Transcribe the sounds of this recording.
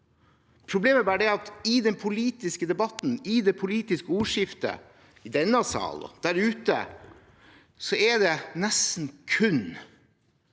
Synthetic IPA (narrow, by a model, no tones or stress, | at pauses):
pʰɾʊbleːməbæːɾəɖɛɑt̪ɪd̪ɛnpʰʊliːt̪ɪskəd̪ɛbɑt̪n̩ɪd̪ɛpʰʊliːt̪ɪskəuːʂɪft̪ə̰ | ɪd̪ɛnːɑsɑ̰ːlɔ̰d̪̥æɾʉːt̪ə̰ | sɔɛd̪ɛnɛsn̩kʰʉn